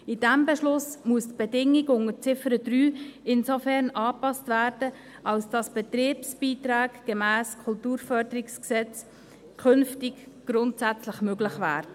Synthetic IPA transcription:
ɪd̥æmbɛʃlʊsmuəstb̥ɛdɪŋːɪɡʊŋət͡sɪfəɾəd̥ɾyːɪnsofɛɾnɑːpɑstvæːɾd̥ə | ʔɑlsd̥ɑsb̥ɛt̪ɾiːpsb̥iːtɾaːɡɡ̥emæːskʰʊltuːɾfœɾdəɾɪksksɛt͡s | kʰɵnftɪk | ɡ̥ɾʊntsæt͡sləχmøɡlɪχvæːɾə

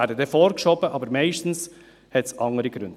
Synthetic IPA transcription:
æːɾdədɛfɔːɾkʃɔbəʔɑːbəɾmɛɪʃtn̩s | hɛtsɑŋəɾiɡ̥ɾʉ̰nd

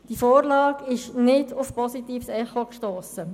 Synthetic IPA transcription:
d̥ifoːɾlɑːkɪʃnɪdʊfpɔsitiːfsɛχokʃtoːsə

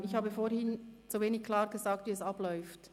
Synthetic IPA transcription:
ɪçhaːbəfoːɾhɪnt͡suveːnɪçkʰl̥aːʁɡ̥əzaːk̚tviːɛsɑb̥lɔʏft

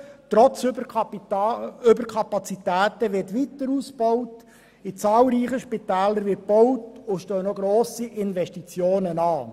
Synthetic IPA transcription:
tɾɔt͡sː | ʏbəɾkʰɑpɑt͡sitæːtəʋɪrtʋitəɾusb̥ɔwt | ɪt͡sɑːlɾiːχəʃpɪtæːləɾʋɪt̚b̥ɔwtʊʃtœːnɔɡɾoːsiʔɪnvɛʃtit͡sjoːnənɑː

